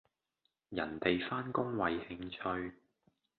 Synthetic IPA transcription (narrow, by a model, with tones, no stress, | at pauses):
jɐ̰˨˩nt̪e˨jfaː˥nkʊ˥ŋwɐ˨jhɪ˧ŋt͡ʃʰɵ˧ɥ